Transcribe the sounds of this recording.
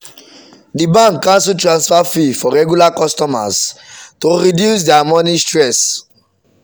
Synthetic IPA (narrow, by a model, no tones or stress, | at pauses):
dibãŋkːãnsutɹãnsfafifɔɹɛɡjulakɔstɔma̰ztoɹidjus̬dɛamɔnistɹɛs